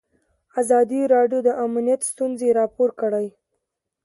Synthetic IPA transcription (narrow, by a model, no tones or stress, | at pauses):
azɑd̪iɾɑɖjod̪əʔamnijat̪st̪unzeɾɑpoɾkəɽaj